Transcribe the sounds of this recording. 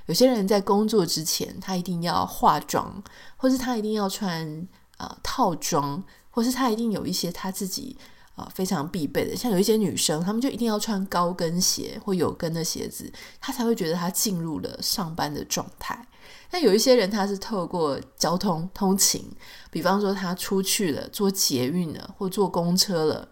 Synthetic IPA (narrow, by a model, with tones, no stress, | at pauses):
jo˨˩ʊiɕjɛ˥ɻə˧˦nt͡sa˥˩ɪkʊ˥ŋt͡swɔ˥˨˩ʈ͡ʂɻ̩˦t͡ɕʰjɛ̰˧˥nt̪ʰa˥i˧t̪i˥˧ŋjɑ̰˥˧ʊxwa̰˥˧ʈ͡ʂwɑ̰˥ŋxwɔ˥˧ʂ̬ɻ̩˥˩t̪ʰa˥i˧t̪i˥˧ŋjɑ˥˧ʊʈ͡ʂʰwa˦˥n | ə̰˨˩t̪ʰɑ˥˩ʊʈ͡ʂwɑ˥ŋ | xwɔ˥˧ʂ̬ɻ̩˥˩t̪ʰa˥i˧t̪i˥˩ŋjo˨˩ʊi˥˩ɕjɛ˥t̪ʰa˥t͡sɹ̩˥˩t͡ɕḭ˨˩ | ə̰˨˩fe˥ɪʈ͡ʂʰɑ˧˥ŋpi˥˧pe˥˩ɪd̪ə̰˩ɕjɑ˥˩ŋjo˨˩i˥˩ɕjɛ˥ny˨˩ʂɤ˥ŋt̪ʰa˥mə˨t͡ɕjo˥˩ʊi˧t̪i˥˧jʊʈ͡ʂʰwa˥nkɑ˥ʊkə˦nɕjɛ̰˧˥˦xwɔ˥˩jo˨˩ʊkə˦nd̪ə˨ɕjɛ̰˧˥d͡zɹ̩˨˩t̪ʰa˥t͡sʰa˧˥ɪwe˥˩ɪt͡ɕɥɛ˧d̪ə˧t̪ʰa˥t͡ɕi˥˧nɻu˥˩lə̰˩ʂɑ˥˩ŋpa˦˥nd̪ə̰˨ʈ͡ʂwɑ̰˥˧ŋt̪ʰa̰˥˩ɪ | na˥˩jo˨˩ʊi˥˩ɕjɛ˦˥ɻə˧˦nt̪ʰa˥ʂ̬ɻ̩˥˧t̪ʰo˥˧kwɔ˥˩t͡ɕjɑ˥ʊt̪ʰʊ˥ŋt̪ʰʊ˥ŋt͡ɕʰḭ˧˥ŋpi˨˩fɑ˦˥ŋʂwɔ˥t̪ʰa˥ʈ͡ʂʰu˦t͡ɕʰy˥˩lə̰˩t͡swɔ˥˩t͡ɕjɛ˧˦y˥˩nd̪ə̰˩xwɔ˥˩t͡swɔ˥˩kʊ˥ŋʈ͡ʂʰɤ˥lə̰˨˩